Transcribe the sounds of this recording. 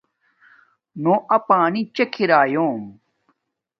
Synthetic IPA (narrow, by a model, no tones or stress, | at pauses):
nõːʔɐpaːnit͡ɕekʰiɾaːjoːm